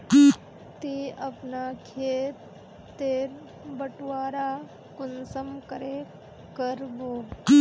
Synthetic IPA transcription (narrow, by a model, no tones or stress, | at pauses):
t̪iɐpnakʰeːt̪ː | eːɾ | bəʈwaːɾa | kʊnsəmkəɾe | kəɾboː